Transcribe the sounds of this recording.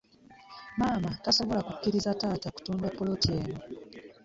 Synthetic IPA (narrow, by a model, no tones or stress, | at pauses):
maːmataso̞βo̞lakukːiɾizataːtaku̥tuːndapːolo̞tie̞ːno